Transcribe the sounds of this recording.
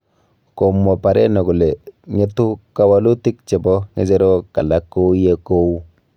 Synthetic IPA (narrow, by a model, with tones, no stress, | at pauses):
ko˨mːɔ˨pa˨ɾɛ˦nɔ˨ku˨le˨ŋe˦tu˦ka˦wa˦lu˦ti˦k̚t͡ʃɛ˨bɔ˦ŋe˦d͡ʒe˦ɾo˦ka˨la˦kːo˦je˦ko˦u˦